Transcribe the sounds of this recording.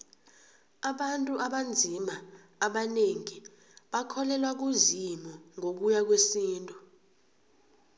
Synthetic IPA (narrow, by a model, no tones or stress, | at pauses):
aɓantʼuʔaɓand͡zʱimaː | ɓaneŋi | ɓakʰɔlɛlwak̬uzimɔŋok̬ujak̬wesiːntʼu